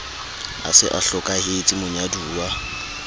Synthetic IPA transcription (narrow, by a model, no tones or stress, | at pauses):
a̰sɪ̰ʔaɬɔkʼahet͡sʼimʊɲaduːwa